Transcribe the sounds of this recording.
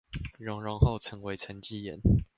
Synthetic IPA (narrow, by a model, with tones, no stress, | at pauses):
ɻɔ˨˦ŋɻɔ˧˦ŋxo˥˨ʊt͡sʰɤ˧˦ŋwe˧˥ɪt͡sʰə˧˥nt͡ɕi˥˨jɛ̰˨˦n